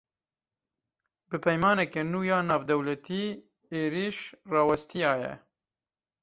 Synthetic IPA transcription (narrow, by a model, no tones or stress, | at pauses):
bɨpʰɛjmɑːnɛkɛnuːjɑːnɑːvd̪ɛwlɛt̪iː | eːɾiʃrɑːwɛst̪ijɑːjɛ̰